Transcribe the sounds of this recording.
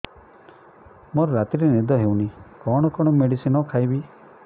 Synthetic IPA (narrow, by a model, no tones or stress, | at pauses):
moɾɔɾat̪iɾenid̪ɔɦewnikɔɽ̃ɔkɔɽ̃ɔmeɽisinɔkʰajbi